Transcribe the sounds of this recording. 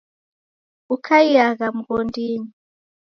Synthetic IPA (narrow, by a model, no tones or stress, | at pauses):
ukʰaijaɣam̩ɡɔndiːni